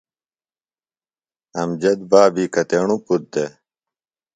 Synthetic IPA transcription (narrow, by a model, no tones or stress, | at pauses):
ɐmd͡ʑɐd̪̚baːbiːkɐt̪eːɳuput̪̚d̪e